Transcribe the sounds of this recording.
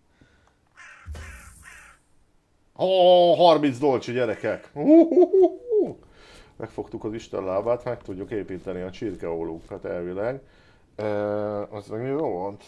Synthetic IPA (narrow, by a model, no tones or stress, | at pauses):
hɒɦɒrmint̪zd̪o̞lt͡ʃɟɛɾɛkɛku | mʔɛkfo̞kt̪ukɒziʃt̪ɛ̰nlaːbaːt̪mɛkt̪uɟːukeːpiːt̪ɛniɒt͡ʃirkɛolukat̪ɛlvilɛɡ | øɛzmɛɡirolont̪